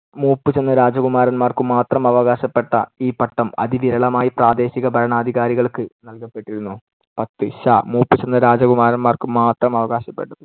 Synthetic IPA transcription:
muːpːɨt͡ɕe̞nːɐɾaːd͡ʑɐɣumaːɾɐnmaːrkɨmaːt̪rɐmɐʋɐɣaːɕɐpːe̞ʈːɐ̰iːpɐʈːɐmɐ̰ðiʋiɾɐɭɐmaːjipraːd̪e̞ːɕiɣɐbʱɐɾɐɳaːd̪ʱiɣaːɾiɣɐɭkɨnɐlkɐpːe̞ʈːiɾunːu | pɐt̪ːɨɕaːmuːpːɨt͡ɕe̞nːɐɾaːd͡ʑɐɣumaːɾɐnmaːrkɨmaːt̪rɐmɐʋɐɣaːɕɐpːe̞ʈːɐð

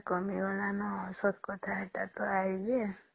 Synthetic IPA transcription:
kɔmiwɔlanɔsɔt̪ʰkɔt̪ʰaeʈat̪ɔajd͡ʒe

